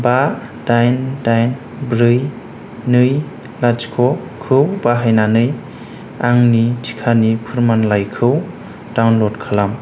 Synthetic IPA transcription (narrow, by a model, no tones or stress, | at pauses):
ba | dajndajn | bɾɯj | nɯj | lad͡ʒkʰɔ | kʰɯwbaɦajnanɯj | aŋnitʰi̥kʰanipʰɯɾmanlajkʰɯw | dawnlɔdkʰalam